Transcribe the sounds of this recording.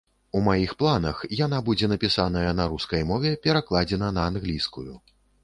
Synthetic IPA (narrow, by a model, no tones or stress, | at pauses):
umajixplˠanɐxjanabud͡zʲɛnɐpʲisanɐjɐnɐɾuskɐjmɔvʲɛpʲɛɾaklˠad͡zʲɛnɐnɐːnɣlʲiskuju